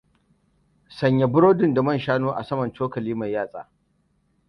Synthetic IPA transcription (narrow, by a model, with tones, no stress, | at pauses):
sɐ˨ɲja˨bʊ˦ɽoː˦dɪ˨nda˨mɐ˦˨nʃaː˦noː˦ʔa̰˨sɐ˦mɐ˨nt͡ʃoː˦kɐ˨liː˦ma˨jjaː˦˨sʼa̰ː˨